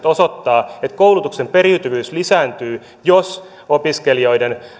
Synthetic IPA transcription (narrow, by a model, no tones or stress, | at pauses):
t̪osot̪ːɑːet̪kowlut̪ukse̞mpeɾiyt̪yʋyːslisæːnt̪yː | jos | opiske̞lio̞jden